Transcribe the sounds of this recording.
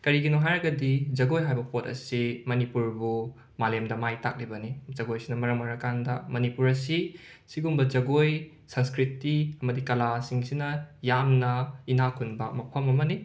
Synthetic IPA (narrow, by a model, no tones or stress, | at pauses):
kɐɾiɡinoɦajɾɐɡɐdid͡ʒɐɡojɦajbɐpʰotɐ̰simɐnipuɾbu | malemdɐmajta̰k̚libɐnid͡ʒɐɡojsinɐmɐɾɐmɐɾɐkandɐmɐnipuɾɐsi | siɡumbɐd͡ʒɐɡoj | sɐnskɾitiɐmɐdikɐlasiŋsinɐjamnɐinakʰunbɐ̰mɐpʰɐmɐmɐni